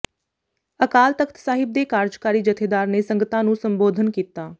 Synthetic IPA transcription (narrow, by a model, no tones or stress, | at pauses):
əkaːlt̪əkʰt̪saːɦɪb̚d̪eːkaːɾd͡ʒkaːɾiːd͡ʒət̪ʰeːd̪aːɾneːsəŋɡət̪ãːnũːsəmboːd̪ʱənkiːt̪aː